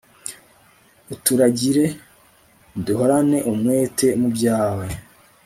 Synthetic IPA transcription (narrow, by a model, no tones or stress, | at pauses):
utuɾaɟiɾe̞ | duɦo̞ɾane̞ʔumŋe̞ːte̞mubjaːwe̞